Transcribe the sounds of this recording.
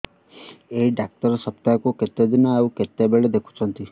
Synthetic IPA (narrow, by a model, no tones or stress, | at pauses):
eiɖak̚ʈəɾsəp̚t̪akoket̪jad̪inaaũket̪jabeɭed̪ekʰu̥t͡ʃʰənt̪i